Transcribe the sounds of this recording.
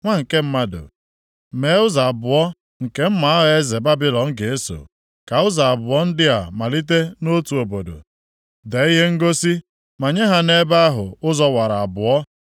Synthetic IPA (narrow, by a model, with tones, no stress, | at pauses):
ŋʷa˦ŋ̩˨ke˦m̩˦ma˦dʊ̰˨ | me˨˦ʊ˦za˨a˨bʊ˨ɔ˦ | ŋ̩˨ke˦m̩˦ma˨a˦ɦe˦ze˨ba˦bɪ˦lɔ˨ŋ̩˦ɡe˨e˦so̰˨ | ka˨ʊ˦za˨a˨bʊ˨ɔ˦n̩˦dɪ˦a˨ma˨li˦t̬e˦no˦tu˨o˨bo˨do̰˨ | de˨˦i˦ɦe˦ŋ̩˦ɡo˦si˦ | ma˨ɲe˦ɦa˨ne˦ba˦a˦ɦʊ˨ʊ˦zɔ˦wa˨ɾa˨a˨bʊ˨ɔ˦